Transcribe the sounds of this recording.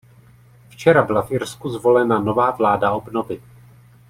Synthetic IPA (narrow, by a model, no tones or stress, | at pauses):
ft͡ʃɛɾabɪlafʔɪɾskuzvo̞lɛnano̞vaːvlaːdao̞bnovɪ